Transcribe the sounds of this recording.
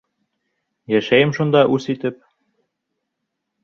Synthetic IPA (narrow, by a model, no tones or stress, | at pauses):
jæʃæjɘmʃund̪ɑʔusit̪ɘ̆p̚